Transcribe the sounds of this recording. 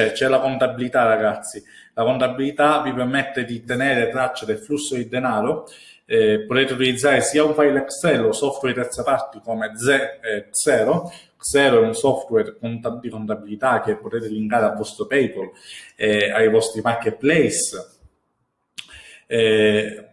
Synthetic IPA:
t͡ʃɛt͡ʃɛlakont̪abilit̪araɡat̪sːi | lakont̪abilit̪avipermet̪ːed̪it̪eneːɾet̪ɾat͡ʃːad̪elflusːod̪id̪enaːɾo | ɛpːot̪eːt̪eut̪ilid̪zːaːɾesiːauɱfajlɛksɛlːosɔft̪wɛɾt̪ɛɾt̪sapart̪ikoːmed̪zɛksɛːɾo | ksɛːɾoɛunsɔft̪wɛrkont̪ad̪ikont̪abilit̪ak̟epːot̪eːt̪eliŋkaːɾealvɔst̪ɾopɛjpolɛajvɔst̪ɾimakːet̪̚plɛjs | ɛ

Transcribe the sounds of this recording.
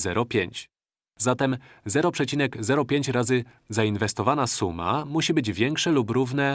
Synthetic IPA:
zɛɾɔpʲjeɲt͡ɕ | zat̪ɛmzɛɾɔpʂɛt͡ɕinɛɡzɛɾɔpʲjeɲt͡ɕɾazɘ | zainvɛst̪ɔvanasuma̰muɕibɘd͡ʑvʲjɛŋkʂɛlupɾuvn̪ɛ

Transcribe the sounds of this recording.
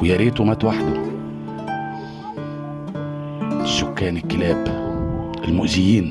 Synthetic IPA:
wjaɾiːt̪ʊmæt̪waħd̪æ | sːʊkːæːnɪkːɪlæːb | ʔɪlmʊʔzɪjiːn

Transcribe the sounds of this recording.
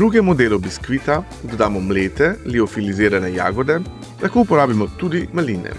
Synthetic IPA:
d̪ɾuːɡɛmɔd̪eːlɔbiskʋit̪a | d̪ɔd̪aːmɔmleːt̪ɛliɔfilizeːɾanɛja̰ːɡɔd̪ɛ | lakoupɔɾaːbimɔt̪ud̪imaliːnɛ̰

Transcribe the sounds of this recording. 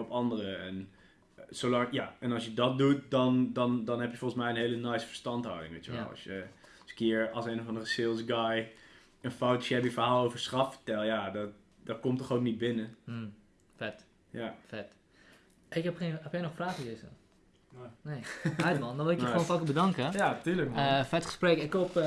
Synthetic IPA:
ɔpɑndərəɛn | solɑŋjaɛnɑsjədɔt̚dut̚dɔndɔndɔnɦɛpjəfɔlˠəsmɛjənɦeːlənɛjsə̥fəɹstɑntɦa̰wdɪ̰̃ŋʋḛjtjəʋɛ̰l̰lˠɔ̰sjə | sə̥kɪəɹɑsenəvɑndərəsɪlˠsɡaj | ənfowtɔsɛpjəfəɦaːlˠowvəɹsrɑffə̥ɹtɛlˠjadɔt̚ | dɔt̚komtɔχowk̚nit̚bɪnə | fɛt | jafɛt | ɪkɛpxenɛpjɛjnɔxfraːxəlezə̰ | nejatmɔndɔnʋɪlɪkjonfɔkəbədaŋkəjatyːləkmfɛtχəsprɛkɪkop

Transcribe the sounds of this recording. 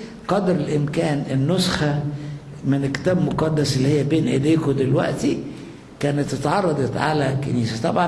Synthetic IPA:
qɑd̪ɾelʔɪmkæːnenːosxæ | menelkːe̥t̪æːbmoqɑd̪ːæselːihejːæbeːnʔḛd̪eːkod̪elwæ̰ʔt̪i | kæːnet̪ːet̪ʕɑrˤːɑd̪ˤɑt̪ʕa̰lækḛniːsæt̪ˤɑbʕɑ

